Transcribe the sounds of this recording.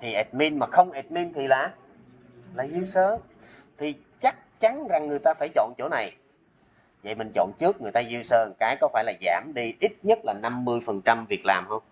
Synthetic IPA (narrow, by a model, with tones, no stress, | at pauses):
t̪ʰi˨˩ʔɛ˨˩t̚mi˧nmaː˨˩xə˧wŋ͡mʔɛ˨˩t̚mi˧nt̪ʰi˨˩laː˨˩ | laː˨˩zi˧əwsəː˧˦ | t̪ʰi˨˩ | t͡ɕa˦˥k̚t͡ɕa˨˦nza˨˩ŋːɨ˨˩əjt̪aː˧faː˧˩jt͡ɕɔ̰˧˨nt͡ɕo˧˩na˨˩j | və̰˧˨jmï˨˩ŋ̟t͡ɕo̰˧˨nt͡ɕɨ˦˥ək̚ŋɨ˨˩əjt̪aː˧zi˧wsəː˧˨˩kaː˨˦jkɔ˨˦faː˧˩jlaː˨˩za̰ː˧˩mɗi˧ʔi˦˥t̚ɲə˦˥t̚laː˨˩na˧mːɨ˧əjfə˨˩nt͡ɕa˧mvi˨˩ək̚laː˨˩mhə˧wŋ͡m